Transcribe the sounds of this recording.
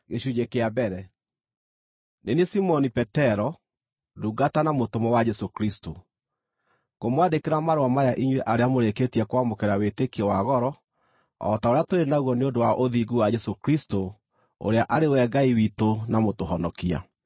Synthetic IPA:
ɣeɕuɲekeabɛɾɛ | nenesimɔnipɛtɛɾɔ | duɡatanamotomɔwad͡ʒɛsokɾisto | komwadekeɾamaɾowamajaʔiɲweʔaɾeamoɾeketiɛkwamokeɾawetekiɔwaɣɔɾɔ | ɔ̰taoɾeatoɾenaɣwɔneondowaʔoðiɡuwad͡ʒɛsokɾisto | o̰ɾeaʔaɾewɛɡaiwitonamotoɦɔnɔkia̰

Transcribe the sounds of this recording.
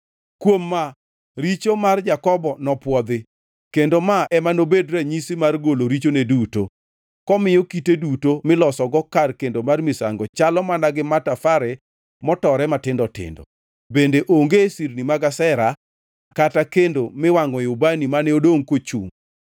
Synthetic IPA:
kwomːa | ɾit͡ʃomard͡ʒakɔbɔnɔpwɔd̪ɪ | kendomaɛmanobedɾɛɲisɪmarɡoloɾit͡ʃoneduto̰ | kɔmɪjokitedutomɪlɔsɔɡɔkarkendomarmɪsa̰ŋɡɔt͡ʃalɔmanaɡɪmatafaɾɛ | mɔtɔɾɛmatɪndɔtɪ̰ndɔ̰ | bendeʔoŋɡesirnimaɡasɛɾa | katakendomɪwaŋɡɔjʊbanimanɛodoŋkot͡ʃṵŋ

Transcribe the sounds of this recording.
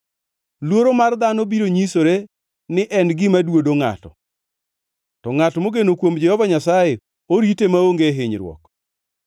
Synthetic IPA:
lwoɾomard̪anobiɾoɲisoɾe | nɪʔɛnɡɪmadwodoŋa̰tɔ̰ | tɔŋatmoɡenokwomd͡ʒɛhɔvaɲasaje | oɾitemaoŋɡeɦɪɲɾwɔ̰k

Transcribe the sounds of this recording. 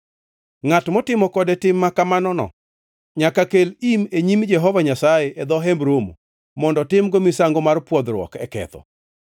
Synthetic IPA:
ŋatmɔtɪmɔkɔdɛtɪmːakamanɔnɔ̰ | ɲakakelimeɲimd͡ʒɛɦɔvaɲasajeʔɛd̪ɔɦɛmbɾomo̰ | mɔndɔtɪmɡomisaŋɡomarpwɔd̪ɾwɔ̰kɛkɛ̰t̪ɔ̰

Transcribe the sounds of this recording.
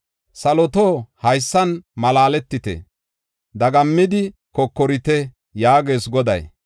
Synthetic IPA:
sɐlɔt̪oːhɐjsːɐnmɐlaːlɛt̪ːɪt̪ɛ̰ | d̪ɐɡɐmːɪd̪ɪkɔkːɔɾɪt̪ɛ | jaːɡe̞ːsɡɔd̪ɐ̰j

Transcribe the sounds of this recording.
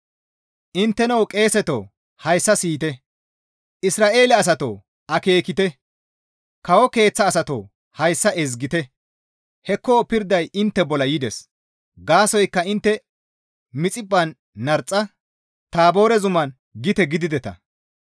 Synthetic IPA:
ʔɪnt̪ːɛnɐwkʼe̞ːsɛt̪o̰ː | hɐjsːɐsiːt̪ɛ | ʔɪsɾaːʔe̞ːlɛɐs̬ɐt̪o̰ː | ɐke̞ːkɪt̪ɛ | kɐwɔke̞ːt͡sːɐːsɐt̪o̰ː | hɐjsːɐʔɛzɡɪt̪ɛ | hɛkːɔːpɪɾd̪ɐjɪnt̪ːɛbɔlɐjɪd̪ɛs | ɡaːsɔjkːɐɪnt̪ːɛ | mɪt͡sʼɪbʼːɐnː | ɐɾt͡sʼːɐ | t̪aːbo̞ːɾɛzʊmɐn | ɡɪt̪ɛɡɪd̪ɪd̪ɛt̪ɐ̰

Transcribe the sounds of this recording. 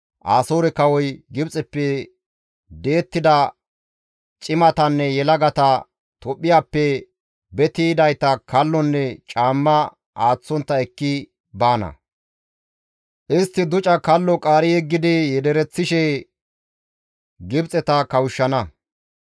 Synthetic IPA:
ʔaːsoːɾɛkɐwɔjɡɪbt͡sʼɛpːɛ | d̪e̞ːt̪ːɪd̪ɐ | t͡ʃʼɪmɐt̪ɐnːɛjɛlɐɡɐt̪ɐ | t̪ɔpʼːɪjaːpːɛ | bɛt̪iːd̪ɐjt̪ɐkʰɐlːɔnːɛt͡ʃʼaːmːɐ | aːt͡sːɔnt̪ːɐɛkːɪ | baːnɐ̰ | ʔɪst̪ːɪd̪ʊt͡ʃʼɐkɐlːɔkʼaːɾɪjɛɡːɪd̪ɪjɛd̪ɛɾɛt͡sːɪʃɛ | ɡɪbt͡sʼɛt̪ɐkɐwʊʃːɐnɐ

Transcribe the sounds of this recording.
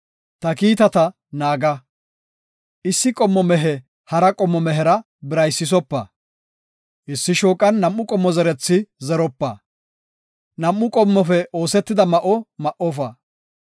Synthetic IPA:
t̪ɐkiːt̪ɐt̪ɐ | naːɡɐ | ʔɪsːɪkʼɔmːɔmɛɦɛ | hɐɾɐkʼɔmːɔmɛɦɛɾɐ | bɪɾɐjsːɪs̬ɔpːɐ | ʔɪsːɪʃoːkʼːɐnːɐmːʊkʼɔmːɔzɛɾɛt͡sːɪzɛɾɔpːɐ̰ | nɐmːʊkʼɔmːɔfɛʔoːsɛt̪ːɪd̪ɐmɐʔɔmɐʔɔfɐ

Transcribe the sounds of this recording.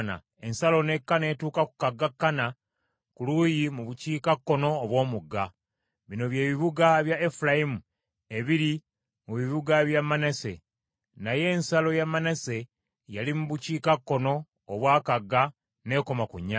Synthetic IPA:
na̰ | e̞nsalo̞ne̞kːane̞tuːkaku̥kaɡːakːana | kuluːjimuβuciːkakːo̞no̞ːβwo̞ːmuɡːa | βino̞βje̞ːβiβuɡaβjaefulajimu | e̞βiɾi | muβiβuɡaβjamːanese̞̰ | naje̞ːnsalo̞jamːanese̞ | jalimuβuciːkakːo̞no̞ː | βwaːkaɡːa | ne̞ːko̞makṵɲːa

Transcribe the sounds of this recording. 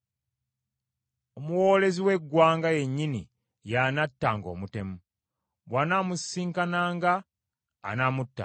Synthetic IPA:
omuwoːle̞ziwe̞ɡwaːŋɡaje̞ɲːinḭ | janatːaːŋɡo̞̰ːmute̞mu | βwanamusːiːŋkanaːŋɡa̰ː | namutːa̰

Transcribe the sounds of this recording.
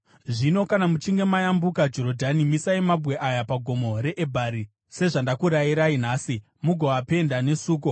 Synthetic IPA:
ʐino̞kanamut͡ʃiŋɡe̞majambukad͡ʒo̞ɾodʱanimisaimabʱwe̞ʔajapaɡʱo̞mo̞ɾe̞ʔebʱaɾi | se̞ʐandakuɾajiɾain̤aːsi | muɡʱoape̞ndane̞suːko

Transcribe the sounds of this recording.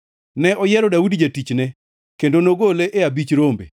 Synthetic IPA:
nɛʔɔjɛɾɔdaudd͡ʒatit͡ʃnɛ | kendonoɡoleʔeabit͡ʃɾombḛ

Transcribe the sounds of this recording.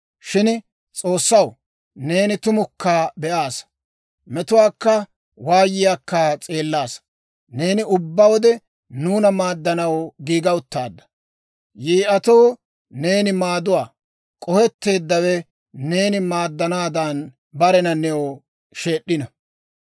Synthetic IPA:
ʃɪn | t͡sʼo̞ːsːɐw | ne̞ːnɪt̪ʊmʊkːaːbɛʔaːs | mɛt̪ʊwaːkːɐ | waːjɪjaːkːat͡sʼe̞ːlːaːs | ne̞ːnɪʊbːɐwɔd̪ɛ | nuːnɐmaːd̪ːɐnɐwɡiːɡɐʊt̪ːaːd̪ːɐ̥ | jiːʔɐt̪o̞ː | ne̞ːnɪmaːd̪ʊwaː | kʼɔhɛt̪ːe̞ːd̪ːɐwɛ | ne̞ːnɪmaːd̪ːɐnaːd̪ɐn | bɐɾɛnɐnɛo | ʃe̞ːɗːɪnɐ

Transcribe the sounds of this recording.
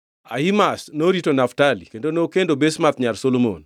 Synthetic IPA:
a̰imasnoɾitonaftalḭkendonokendobesmat̪ɲalsolomo̰n

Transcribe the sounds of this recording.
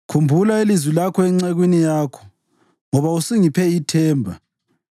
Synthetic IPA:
kʰumbʱulailizwilakʰɔɛŋ͡ǀɛɣwinijaːkʰɔ̥ | ŋɔβausiŋipʰɛitʰɛːmbʱa

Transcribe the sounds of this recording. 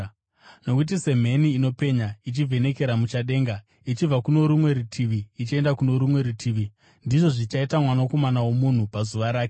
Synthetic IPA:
no̞kut̬ise̞m̤e̞niːno̞pe̞ɲait͡ʃivʱe̞ne̞ke̞ɾamut͡ʃaɗe̞ːŋɡa | it͡ʃib͡vakuno̞ɾumwe̞ɾutʰiʋiːt͡ʃie̞ndakuno̞ɾumwe̞ɾutʰiːʋi | ndiʐo̞ʐit͡ʃaitamwanoko̞manawo̞mun̤upazuʋaɾaːke

